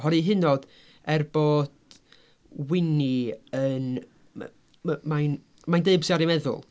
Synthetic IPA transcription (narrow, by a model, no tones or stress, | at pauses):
ɦɔɾiɦɪnɔd̥ | ɛrboːd̥ | wɪniən̰ | majn | majndeɨbsiaɾimɛðʊ̰lˠ